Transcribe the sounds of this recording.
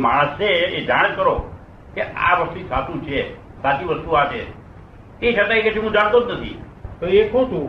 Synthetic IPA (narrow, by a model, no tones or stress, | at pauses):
maɽ̃əseed͡ʒaɽ̃d͡ʒkəɾo | kea̰ʋəst̪usat̪ũt͡ʃʰe | sat̪iʋəst̪uat͡ʃʰe | t̪eʃat̪aikɛt͡ʃʰeũd͡ʒaɽ̃t̪od̪nət̪ʰḭ | t̪oekʰõt̪ʰu